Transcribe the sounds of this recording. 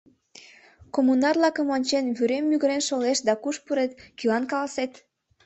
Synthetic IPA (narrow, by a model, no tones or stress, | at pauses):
komunɑrlɑkəmonʲt͡ɕenβyɾemːyɣəɾenʃoleʃd̪ɑkuʃpuɾet̪kilɑnkɑlɑset̪